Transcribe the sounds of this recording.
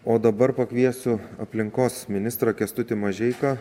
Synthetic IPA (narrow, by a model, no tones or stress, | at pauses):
oːd̪ɐbɐɾpɐkʋʲiɛsʊɐ̰pʲlʲɪŋkoːsmʲɪnʲɪst̪ɾɐkʲɛst̪ʊt̪ʲɪmɐʒʲɛɪkɐ